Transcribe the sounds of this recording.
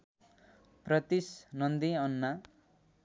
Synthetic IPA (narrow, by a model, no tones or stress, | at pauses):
prʌt̪isnʌnd̪iʌnːa